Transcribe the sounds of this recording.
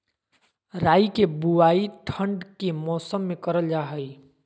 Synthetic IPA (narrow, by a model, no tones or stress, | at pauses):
ɾaːikebuaːiʈʰəɳɖkemɔːsəmːẽkəɾəld͡ʒaːɦəi